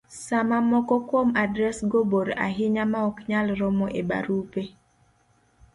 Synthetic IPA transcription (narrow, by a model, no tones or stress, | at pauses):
samamɔkɔkwomadɾɛsɡoboɾa̰ɦɪɲamaɔkɲalɾɔmɔʔeba̰ɾupe